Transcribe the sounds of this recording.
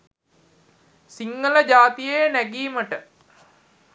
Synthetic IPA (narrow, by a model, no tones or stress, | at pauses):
siŋɡələd͡ʑaːt̪ijejnæɡiːməʈə